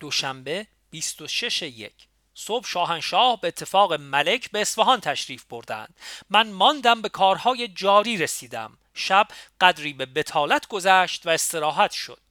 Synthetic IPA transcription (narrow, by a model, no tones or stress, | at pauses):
d̪̥oʃæmbe̞ | b̥ist̪o̞ʃe̞ʃeje̞̰cʰ | sob̥ʃɒːɦænʃɒːhbe̞eːt̪ʰːe̞fɒːɣe̞mæle̞cʰbe̞ːsfeɦɒːnt̪ʰæʃɾiːfb̥o̞ɾd̪æ̰nd̪̥mænmɒnd̪æmbe̞kʰɒːɾhɒːjed͡ʒɒːɾiːɾesiːd̪æ̰m | ʃæb̥ɢ̥æd̪ɾiːbe̞be̞t̪ʰɒːlæt̪ʰɡo̞zæːʃt̪væest̪e̞ɾɒːɦæt̪ʃo̞̰d̪̥